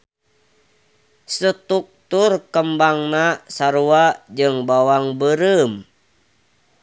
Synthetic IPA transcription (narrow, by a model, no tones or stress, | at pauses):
sət̪uk̚t̪urkəmbaŋnasaɾuad͡ʒɨŋbawaŋbəɾəm